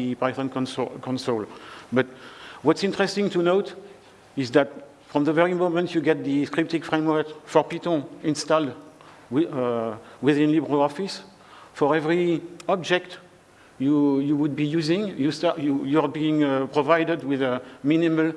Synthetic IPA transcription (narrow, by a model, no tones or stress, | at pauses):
pazə̃nknskɔ̃nsolbʌt̚wʌtsɪ̃ntəɹɛstɪ̃ŋtunot | ɪzðæt̚ | fɹɔ̃mðəvɛɹimõmə̃ntʰjuɡɛt̪̚ðəskɹip̚tikfɹẽɪ̃mwə˞kfɔɹpitɔ̃ĩnstald | w | wiðɪ̃nlibɹoɔfis | fɔɹɛvɹiɔb̚d͡ʒɛkt | jujuwud̚bijuzɪ̃ŋjustɑjujɔɹbiɪ̃ŋpɹɔvajdədwiðəminimal